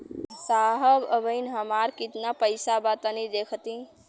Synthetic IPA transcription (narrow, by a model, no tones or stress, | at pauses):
saɦəbəbəjnɦəmaɾkit̪napəjsabat̪ənid̪ekʰət̪ĩ